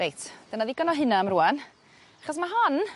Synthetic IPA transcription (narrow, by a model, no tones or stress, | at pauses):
ejtʰd̥ənaðiɡɔnɔɦɪnaamruan | aχɔs̬maɦan